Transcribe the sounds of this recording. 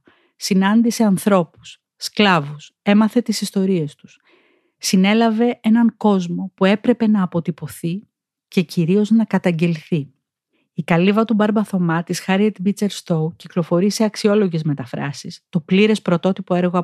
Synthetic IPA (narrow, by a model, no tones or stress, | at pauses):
sinɐnd̪iseɐnθɾo̞pu̥sː | klɐvus | e̞mɐθe̞t̪isist̪o̞ɾie̞st̪u̥s | sine̞lɐve̞enɐŋko̞zmo̞pue̞pɾe̞pe̞nɐːpo̞t̪ipo̞θi | ce̞ciɾio̞znɐkɐt̪ɐɲɟe̞lθi | ikɐlivɐt̪ubɐɾbɐθo̞mɐt̪isxɐɾiet̪bit͡se̞ɾst̪owciklo̞fo̞ɾiseɐksio̞lo̞ʝe̞zme̞t̪ɐfɾɐ̰sist̪o̞pliɾe̞spɾo̞t̪o̞t̪ipo̞e̞ɾɣoɐ